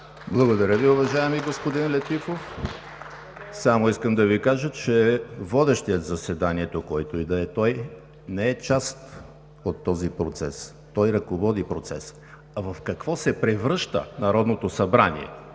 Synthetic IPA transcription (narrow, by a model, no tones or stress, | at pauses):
blˠɐɡod̪ɐɾʲjəviʊvɐʒaɛmiɡospod̪inlɛt̪ifof | samoiskəmd̪ɐvikaʒət͡ʃɛvɔd̪ɛʃt̪iət̪zɐsɛd̪aniɛt̪okɔjt̪oid̪ɐɛt̪ɔj | nɛɛt͡ʃast̪ | ot̪ːɔzipɾot̪sɛ̰s | t̪ɔjɾɐkovɔd̪ipɾot̪sɛs | ɐvɐfkɐkvɔsɛpɾɛvɾɤʃt̪ə̰nɐɾɔd̪not̪osɐbɾanḭɛ̰